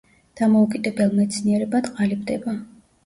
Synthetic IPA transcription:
d̪̥amɔukʼid̪ɛbɛlˠmɛt̪sʰniɛɾɛbad̪qʼalibd̪ɛba

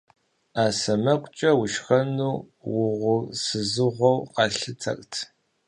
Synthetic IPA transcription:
aːsɐmɐkʷʼt͡ʃʼɐwʊʃxɐnuː | wʊʁʷʊsɨzɨʁʷɔwqɑɬɨt͡sʰɐ̰kʼtʰ

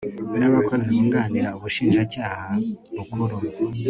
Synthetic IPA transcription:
naβakʰo̞ziβuːŋɡaːniɾauβuʃiːnʒacaːhaβukuɾuɡu

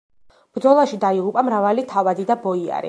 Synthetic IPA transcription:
b̥ɾd̪zɔlˠaʃid̪aiʁupʼamɾavalit̪ʰavad̪id̪abɔia̰ɾḭ

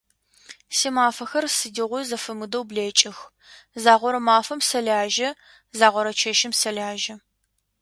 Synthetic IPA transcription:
siːmaːfɐxɐrsɨdiʁʷʊzɐfɐmɨdɐwbleːt͡ʃʼɪx | zaːʁʷɔɾɐmaːfɐmsɐɮaːʒɐ | zaːʁʷɔɾɐt͡ʃʰɐʃɪmsɐlʲaːʒɐ

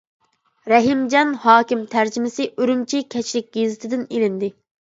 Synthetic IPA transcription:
ɾɛɦimd͡ʒɑnhɑːkʲimt̪ʰæɾd͡ʒimɪsɪʔøɾymt͡ʃʰikʲʰɛt͡ʃlɪk̚ʲɡezɪt̪ʰɪd̪ɪnelɪnd̪ɪ

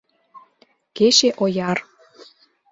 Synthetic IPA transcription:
keʃeʔojɑr

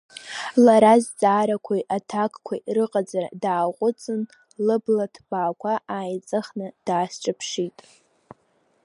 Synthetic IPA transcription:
laɾazd͡zʼaːɾakʷʰajʔatʰakʼkʷʰa̰jrɨqʼad͡zara̰daːqʷʼʊt͡sʼɨn | lɨblatʰb̥aːkʷʰaʔaːjt͡sʼɨχnɨd̥aːst͡ʃʼapʰʂitʼ

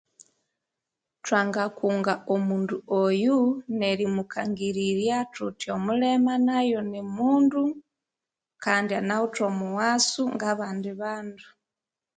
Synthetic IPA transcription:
twaːŋɡakuːŋɡaomuːnduojuneɾimukʰaŋɡiɾiɾjatutiomulemanajonemuːndu | kaːndianautomuwasuŋɡaβaːndiβaːndu

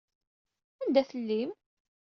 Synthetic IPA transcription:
ænd̪æθəlːim

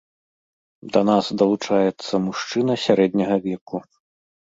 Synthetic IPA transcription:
d̪ɐnasd̪ɐlˠut͡ʂajɛt̪sːɐmuʂt͡ʂɨnɐsʲaɾɛd̪nʲɐɣɐvʲɛku

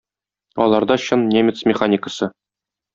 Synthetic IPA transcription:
ɒ̰lˠɑɾd̪ɑɕɤnnʲemʲɪt̪smʲɪχanʲikə̥sɤ

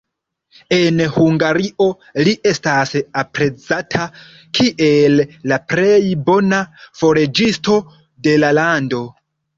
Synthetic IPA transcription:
e̞nhuŋɡaɾiʔo̞ | liʔe̞stasapɾe̞t͡satʰa | kʰiʔelːapɾe̞jbo̞nafo̞ɾe̞d͡ʒisto̞ | de̞lalando̞

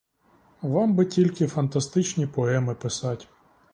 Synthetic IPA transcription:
ʋɑmbɪtʲilʲkɪfɐnt̪ɐst̪ɪt͡ʃnʲipɔɛmɪpɪsɑtʲ

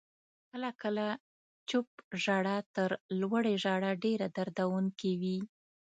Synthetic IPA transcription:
kəlakəla | t͡ʃʊp̚ʒaɽat̪əɾlwaɽeʒaɽaɖeɾad̪aɾd̪awuŋkewi

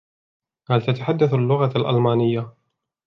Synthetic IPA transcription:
halt̪at̪aħad̪ːaθalːʊɣaalʔa̰lmaːnɪjːa

